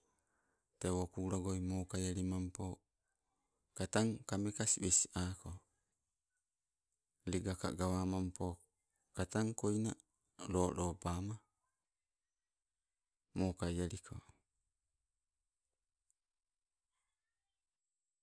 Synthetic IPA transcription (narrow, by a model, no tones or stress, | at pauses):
tewokuːɾaɡojmoːkajaɾimampo | kat̪aŋkamekasibesi̥ako | liɡaka̰ɡawamampo | kataŋkojna̰ | ɾoːɾoːpaːma | moːkajaɾikʰo̰